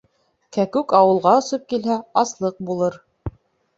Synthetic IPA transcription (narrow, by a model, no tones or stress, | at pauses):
kækʉkɑwɤ̆lˠʁɑɵ̆sɤp̚kilɦæɑslˠɤq̚bulˠɤɾ